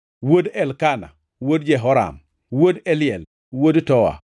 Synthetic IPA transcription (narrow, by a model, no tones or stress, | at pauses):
wodɛlkana̰ | wod̚d͡ʒɛɦɔɾa̰m | wodɛlɪjɛl | wodtɔwa̰